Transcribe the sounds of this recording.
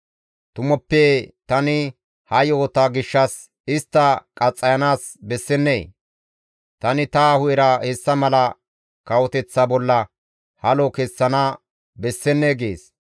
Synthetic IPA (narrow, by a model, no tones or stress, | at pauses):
t̪ʊmɔpːeːt̪ɐnɪ | hɐjoːt̪aːɡɪʃːɐs | ɪst̪ːɐkʼɐt͡sʼːɐjɐnaːs | bɛsːɛnːḛː | t̪ɐnɪt̪aːhʊjɛɾɐhɛsːɐmɐlɐ | kɐwɔt̪ɛt͡sːabɔlːɐ | hɐlokesːɐnaː | bɛsːɛnːeːɡḛːs